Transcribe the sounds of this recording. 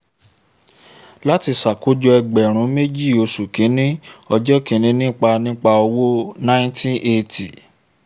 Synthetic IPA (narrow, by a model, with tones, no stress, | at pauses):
la˦ti˧sa˨ko˦d͡ʒɔ˧ɛ˧ɡ͡bɛ˨ɾ̃ũ˨˦me˦d͡ʒi˦˨o˧su˨kĩ˨˦nĩ˦ɔ˧d͡ʒɔ˦kĩ˨˦nĩ˧˦nĩ˦k͡pa˧nĩ˦k͡pa˧ɔ˧wo˦nã˦tĩ˦ʔe˧tʰi˨